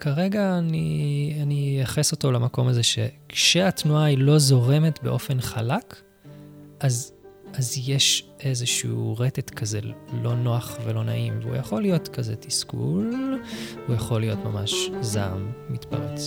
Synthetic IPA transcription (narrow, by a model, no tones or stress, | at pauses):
kaʁe̞ɡaːnianijaχeso̞to̞lamako̞mazeʃe̞̰kʃeatnuailo̞zo̞ʁe̞metbe̞̰ʔo̞fe̞nχalak | azazje̞ʃʔe̞zeʃuuʁetetkʰazelo̞no̞aχvelo̞na̰ʔimvṵjaχo̞lijo̞tkazetiskṵl | ujaχo̞lijo̞tmamaʃza̰mːitpa̰ʁet͡s